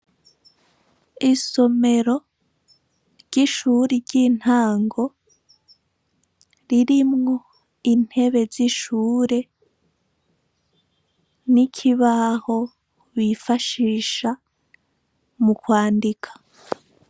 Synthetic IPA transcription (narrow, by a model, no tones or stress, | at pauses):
iso̞me̞ɾo̞ | ɾɟiʃuːɾiɾɟin̥haːŋɡo̞ | ɾiɾimŋo̞ | in̥he̞βe̞ziʃuːɾe̞ | nicʰiβaho̞ | wifaʃiːʃa | mukwaːndikʰḁ